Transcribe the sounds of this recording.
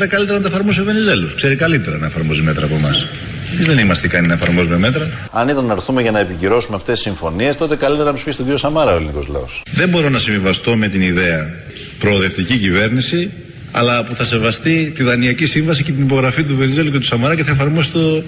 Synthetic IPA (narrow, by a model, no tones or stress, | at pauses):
ɾɐkɐlit̪eɾɐnɐt̪ɐefɐɾmo̞s̬iove̞nize̞luskse̞ɾikɐlit̪e̞ɾɐnɐefɐɾmo̞zime̞t̪ɾɐːpo̞mɐs | emizðe̞nimɐst̪ikɐninɐefɐɾmo̞zume̞me̞t̪ɾɐ | ɐnit̪ɐnːɐɾθumeʝɐnɐepiciɾo̞sumeɐft̪e̞sisiɱfo̞nie̞st̪o̞t̪e̞kɐlit̪eɾɐnɐmɐsfisi̥tociɾiosɐmɐɾɐoeliniko̞zlɐ̰osðe̞mbo̞ɾo̞nɐsiɱvivɐst̪o̞me̞t̪iniðe̞ɐ | pɾo̞ːðe̞ft̪icicive̞ɾnisi | ɐ̰lɐpuθɐse̞vɐst̪it̪iðɐniɐcisiɱvɐsice̞t̪inipo̞ɣɾɐfit̪̬uve̞nize̞luce̞t̪usɐmɐɾɐceθɐefɐɾmo̞sit̪o̞